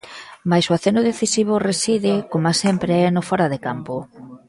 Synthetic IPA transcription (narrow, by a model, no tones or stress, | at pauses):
majsʊaθenʊðeθisiβ̞ʊresiðɪkomasempɾeɛnofɔɾaðekampo